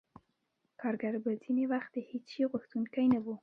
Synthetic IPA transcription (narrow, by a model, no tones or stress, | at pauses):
kɑɾɡaɾbaz̥inewaxt̪̚ehet͡sʃiɣʊxt̪unkajnawu